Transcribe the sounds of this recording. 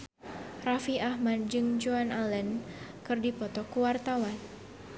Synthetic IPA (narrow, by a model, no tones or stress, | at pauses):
rafiahmad̪̚d͡ʒɨŋd͡ʒuanalɛnkɨrdipɔt̪ɔkuwart̪awan